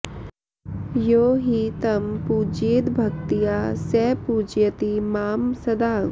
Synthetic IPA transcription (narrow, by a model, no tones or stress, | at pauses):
joːɦit̪ɐmpuːd͡ʒeːd̪bʱɐkt̪ijaːsɛːpuːd͡ʒjɐt̪imaːmsɐd̪aː